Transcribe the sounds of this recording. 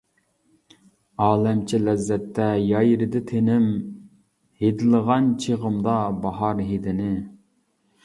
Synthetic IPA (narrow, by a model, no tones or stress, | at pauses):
ɑːlˠɛmt͡ʃʰilɛzːɛt̪ʰːɛjɑjɾɪd̪ɪt̪ʰenɪm | hed̪ɪlˠəʁɑnt͡ʃʰeʁəmd̪ɑbɑɦɑɾɦed̪ɪnɪ